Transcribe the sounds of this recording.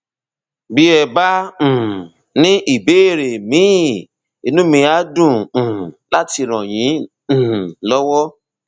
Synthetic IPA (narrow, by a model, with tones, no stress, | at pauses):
bi˦ɛ˧bã˦˨ | nĩ˦ʔi˦˨be˨˦e˦˨ɾe˨mĩ˨˦˨ | i˧nũ˦mĩ˧a˨˦dũ˦˨la˦ti˧ɾ̃ɔ̃˨j̃ĩ˨˦˨ | lɔ˦wɔ˦